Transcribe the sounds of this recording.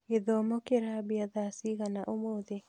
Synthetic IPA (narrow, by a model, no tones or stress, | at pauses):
eðɔmɔkeɾabiaðasiɣanaʔomoðe